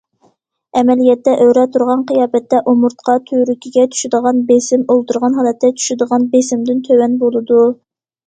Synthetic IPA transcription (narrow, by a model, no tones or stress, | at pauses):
ɛmɛlijɛt̪ːɛʔøwɾɛt̪ʰuɾʁɑnqʰijɑːbɛt̪ːɛʔomuɾt̪qʰɑt̪ʰøɾykʲʰiɡʲɛt̪ʰy̥ʃɪd̪əʁɑnbesɪmolˠt̪uɾʁɑnɦɑːlˠɛt̪ʰːɛt͡ʃʰy̥ʃɪd̪əʁɑnbesɪmd̪ɪnt̪ʰøwɛnbolˠɨd̪u